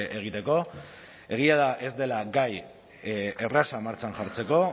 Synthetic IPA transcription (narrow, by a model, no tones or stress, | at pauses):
ʔeɣ̞it̪e̞ko̞ | e̞ɣ̞iað̞aʔe̞zd̪e̞laɡaj | erasamaɾt͡ʃanʝaɾt͡se̞ko̞